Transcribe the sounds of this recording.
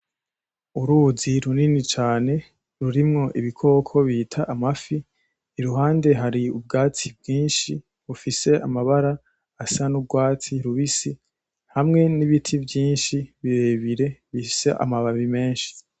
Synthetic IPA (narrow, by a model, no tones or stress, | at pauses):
uɾuziɾuninit͡ʃaːne̞ | ɾuɾimŋo̞ʔiβikʰo̞kʰo̞βiːtʰaʔamafiː | ɾuɦaːnde̞ɦaɾiub̚ɡaːt͡sibɡiːnʃi | βufise̞amaβaɾaː | sanubɡwaːt͡siɾuβisi | hamŋe̞niβitʰivjiːnʃiβiɾe̞βiɾe̞βifise̞ʔa̰maβaβime̞ːnʃi̥